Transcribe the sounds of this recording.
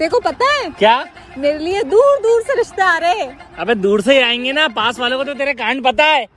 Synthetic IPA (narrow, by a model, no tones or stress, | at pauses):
t̪eːkopɐt̪aɦɛːkjaː | meːɾelied̪uːɾd̪uːɾseɾɪʃt̪aaːɾeɦɛ̃ɐbẽd̪uːɾseiaːẽːŋɡenapaːsʋaːlõkot̪̬ot̪eːɾek̬aːəɳɖpɐt̪aɦɛː